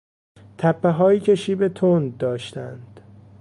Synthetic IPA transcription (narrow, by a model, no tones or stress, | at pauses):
t̪ʰæpʰːeɦɒːjiːcʰe̞ʃiːbe̞t̪ʰond̪d̪ɒːʃt̪æ̰nd̪̥